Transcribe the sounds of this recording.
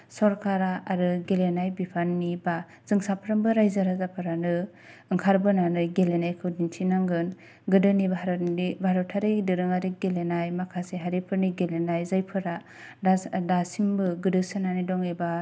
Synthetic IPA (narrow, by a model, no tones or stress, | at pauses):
sɔɾkʰaɾaːɾɯɡelenajbipʰanːiba | z̥ɯŋsapʰɾambɯɾajzaɾazapʰɯɾanɯ | ɯŋkʰaɾbɯnanɯɡelenajkʰɯwdintʰinaŋɡɯn | ɡɯdɯnibʱaɾibʱaɾɔtʰaɾɯdɯɾɯŋaɾiɡelenajmakʰaseɦaɾipʰɯɾniɡelenajzajpʰɯɾa | dadasimbɯɡɯdɯsɯnanidɔŋeba